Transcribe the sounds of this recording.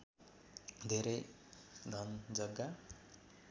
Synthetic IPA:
d̪ʱeɾʌj | d̪ʱʌnd͡zʌɡːa

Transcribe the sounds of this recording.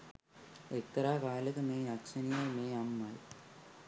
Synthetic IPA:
ek̚t̪ːɐɾaːkaːlɐkɐmeːɐkt͡ʃɐnijɐmeːɐmːɐj

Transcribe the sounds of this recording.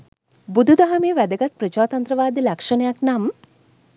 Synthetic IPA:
bud̪ʱud̪aɦɐmeːʋæd̪ɐɡɐt̪̚pɾət͡ʃaːt̪ɐnt̪ɾəʋaːd̪ilɐkʂɐnɐjaknam

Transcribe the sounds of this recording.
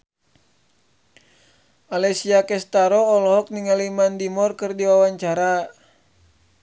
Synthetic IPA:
alɛsiakɛst̪aɾɔːlɔɦɔk̚niŋalimandimɔrkɨrdiwawaɲt͡ʃaɾa

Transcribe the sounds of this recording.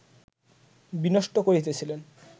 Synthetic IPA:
binoʃʈokoɾit̪et͡ɕʰilen

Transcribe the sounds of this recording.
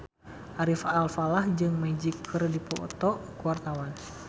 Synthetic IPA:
ʔaɾifalfalahd͡ʒɨŋmad͡ʒikʰərdipɔt̪ɔʔkuart̪awan

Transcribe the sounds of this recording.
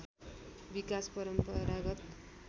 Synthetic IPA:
bikaspʌɾʌmpʌɾaɡʌt̪

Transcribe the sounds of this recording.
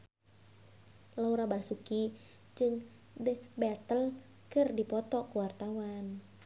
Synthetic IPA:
lauɾabasuki | d͡ʒɨŋ | dəbɛt̪əl | kɨrdipɔt̪ɔkuwart̪awan

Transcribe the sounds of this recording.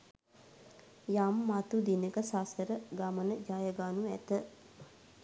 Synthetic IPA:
jamːat̪ud̪inəkəsaːsəɾəɡamənəd͡ʒaːjəɡaːnuæt̪ə

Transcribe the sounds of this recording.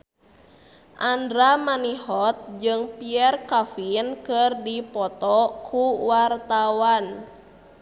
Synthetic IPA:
ʔandɾamanihɔt̪̚d͡ʒɨŋpiɛrkafinkɨrdipɔt̪ɔkʰuwart̪awan

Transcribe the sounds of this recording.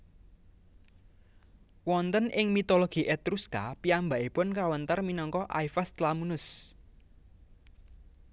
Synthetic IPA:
wɔnt̪ənʔɪŋmit̪oloɡ̥i̤ʔɛt̪ɾuskapiamba̤ʔipʊnkawənt̪ərminɔŋkɔʔa̰jfast̪lamunʊs

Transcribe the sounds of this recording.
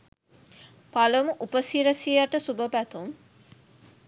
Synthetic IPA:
paləmuʔupəsiɾəsijaʈəsubəpæt̪um

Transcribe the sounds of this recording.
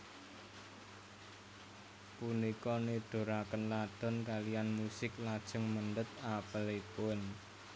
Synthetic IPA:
punikɔneɖ̪̥o̤ɾakənlad̪̥ɔ̤nkalijanmusɪklad̥ʒ̥ə̤ŋmənɖət̪̚apəlipʊn

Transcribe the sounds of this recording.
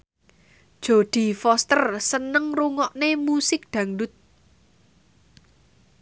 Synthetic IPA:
d̥ʒ̥o̤d̪̥i̤fɔst̪ərsənəŋruŋɔʔnemusɪk̚d̪̥ä̤ŋɖʊt̪̚

